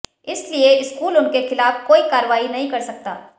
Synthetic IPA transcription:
ɪslieɪskuːlʊnkexɪlaːfkoːikaːɾʋaːinɐɦĩkɐɾsɐk̚t̪a̰ː

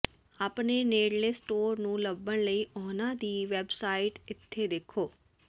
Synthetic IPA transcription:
aːpneːneːɽleːsʈoːɾnũːləbːəɳləiːʔɔːnãːd̪iːʋɛːbsaːɪʈɪt̪ʰːeːd̪eːkʰːoː

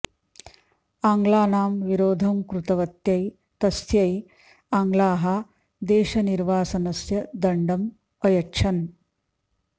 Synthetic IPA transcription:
aːŋɡlaːnaːmʋiɾoːd̪ʱɐmkɾut̪ɐʋɐt̪jɐj | t̪ɐsjɐj | aːŋɡlaːɦɐ | d̪eːʃɐniɾʋaːsɐnɐsjɐd̪ɐɳɖɐm | ɐjɐtːʃʰɐn

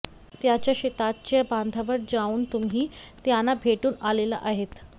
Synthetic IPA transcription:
t̪jat͡ɕjaɕet̪at̪̚t͡ɕjaband̪ʱaʋəɽd͡zauːnt̪umɦiːt̪janːabʱeʈuːnalela̰ʔaɦet̪

